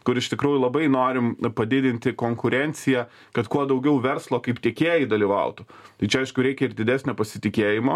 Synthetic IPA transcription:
kʊɾɪʃt̪ʲɪkɾuːjʊlˠɐbɐɪnoːɾʲɪmpɐd̪ʲɪd̪ʲɪnʲt̪ʲɪkoːŋkʊɾʲɛnʲt̪sʲɪjɛ | kɐt̪kuɔd̪ɐʊɡʲɛʊʋʲɛrslˠoːkɐɪpt̪ʲiɛkʲeːjɛɪd̪ɐlʲiʋɐ̰ʊt̪ʊt̪ɐɪt͡ʃʲɛɐɪʃkʊɾʲɛɪkʲɛɪrd̪ʲɪd̪ʲæːsʲnʲoːpɐsʲɪt̪ʲɪkʲeːjɪmoː

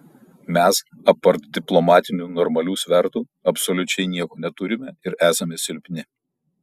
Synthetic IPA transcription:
mʲɛs | ɐpːɐɾt̪d̪ʲɪplˠɔmɑːt̪ʲɪnʲuːnɔɾmɐlʲuːsʲʋʲɛɾt̪uː | ɐpsɔlʲʊt͡ʃʲɛɪnʲiɛkoːnʲɛt̪ʊɾʲɪmʲɛɪɾæːsɐmʲɛsʲɪlʲpʲnʲɪ

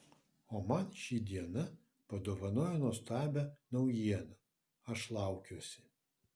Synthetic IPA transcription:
oːmɐnʃʲiːd̪ʲiɛnɐ | pɐd̪oːʋɐnoːjonuɔst̪ɑːbʲɛnɐʊjiɛnɐ | ɐʃlˠɑˑʊkʲuːsʲɪ̥

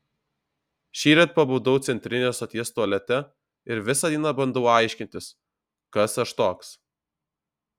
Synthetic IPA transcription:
ʃʲiːɾʲet̪̚pɐbɐʊd̪ɐʊt̪sʲɛnʲt̪ʲɾʲɪnʲeːsɐt̪ʲiɛst̪uɔlʲɛt̪ʲɛ | ɪɾʋʲɪsɑd̪ʲiːnɑbɐnd̪ɐʊɐˑɪʃʲkʲɪnʲt̪ʲɪs | kɐsɐʃt̪oːks

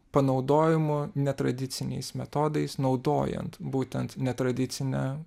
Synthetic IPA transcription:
pɐnɒʊd̪oːjɪmʊnʲɛt̪ɾɐd̪ʲɪt̪sʲɪnʲɛ̰ɪsmʲɛt̪oːd̪ɐɪsnɒʊd̪o̰ːjɛ̰nt̪buːt̪ʲɛnt̪nʲɛt̪ɾɐd̪ʲɪt̪sʲɪnʲɛː

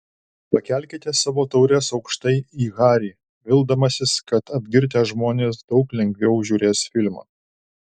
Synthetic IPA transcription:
pɐkʲæˑlʲkʲet̪ʲeːsɑːʋoːt̪ɒʊɾʲeːsɒʊkʃt̪ɐɪiːɣɑːɾʲiː | ʋʲɪlˠd̪ɐmɐsʲɪskɐt̪ɐbʲɡʲɪɾʲt̪ʲɛːʒmoːnʲeːsd̪ɒʊklʲɛŋʲɡʲʋʲɛʊʒʲuːɾʲeːsfʲɪlʲmɐ̰ː

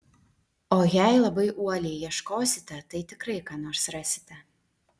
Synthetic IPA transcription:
oːjæjlˠɐbɐɪʔuɔlʲejjiɛʃkoːsʲɪt̪ʲɛt̪ɐɪt̪ʲɪkɾɐɪkɑːnoːɾsɾɑsʲɪ̥t̪ʲɛ

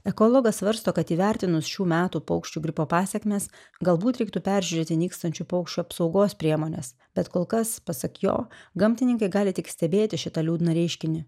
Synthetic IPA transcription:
ɛkoːlˠɔɡɐsʋɐɾst̪oːkɐt̪iːʋʲæˑɾʲt̪ʲɪnʊsʃʲuːmʲæːt̪uːpɔʊkʃʲt͡ʃʲuːɡʲɾʲɪpoːpɑːsʲɛkʲmʲeːs | ɡɐlˠbuːt̪ɾʲɛɪkt̪upʲæɾʲʒʲʉɾʲeːt̪ʲɪnʲiːkst̪ɐnʲt͡ʃʲupɔʊkʃʲt͡ʃʲuɐpsɒʊɡoːspʲɾʲiɛmoːnʲḛs | bʲɛt̪koːlˠkɐspɐsɐkjo̰ːɡɐmʲt̪ʲɪnʲɪŋkɐɪɡɑːlʲɪt̪ʲɪksʲt̪ʲɛbʲeːt̪ʲɪʃʲɪt̪ɑlʲuːd̪nɐɾʲɛɪʃʲkʲɪnʲɪ

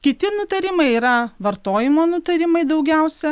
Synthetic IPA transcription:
kʲɪt̪ʲɪnʊt̪ɐɾʲɪmɐɪiːɾɐʋɐɾt̪oːjɪmoːnʊt̪ɐɾʲɪmɐɪd̪ɒʊɡʲɛˑʊsʲɛ

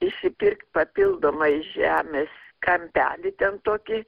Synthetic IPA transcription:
ɪʃʲsʲɪpʲɪrkt̪̚ʲpɐpʲɪlˠd̪oːmɐɪʒʲæːmʲeːskɐmʲpʲæ̰ːlʲɪt̪ʲɛnt̪oːkʲɪ

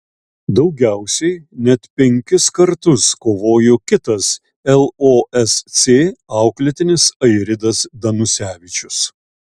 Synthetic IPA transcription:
d̪ɒʊɡʲæˑʊsʲɛɪnʲɛt̪pʲɛŋʲkʲɪskɐɾt̪ʊskoːʋoːjokʲɪt̪ɐs | ɛlˠoːʔɛssʲeːɑˑʊklʲɪt̪ʲɪnʲɪsɐɪɾʲɪd̪ɐsd̪ɐnʊsʲæːʋʲɪt͡ʃʲʊs

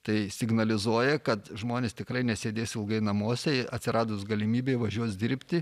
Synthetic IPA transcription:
t̪ɐɪsʲɪɡnɐlʲɪzuɔjɛkɐt̪ʒmoːnʲeːst̪ʲɪkɾɐɪnʲɛsʲeːd̪ʲeːsʲɪlˠɡɐɪnɐmoːsʲɛɪɐt̪ʲsʲɪɾɑːd̪osɡɐlʲɪmʲiːbʲeːʋɐʒʲuɔt̪sd̪ʲɪɾʲpʲt̪ʲɪ

